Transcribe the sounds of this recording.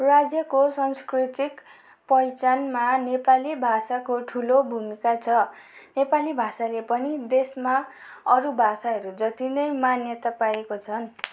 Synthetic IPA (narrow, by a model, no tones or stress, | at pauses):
rad͡zjʌkosʌnskrit̪ik | pʌjt͡sanmanepalibʱasakoʈʰulobʱumikat͡sʰʌnepalibʱasalepʌnid̪esmaʌɾubʱasaɦʌɾud͡zʌt̪inʌjmanjʌt̪apaekot͡sʰʌn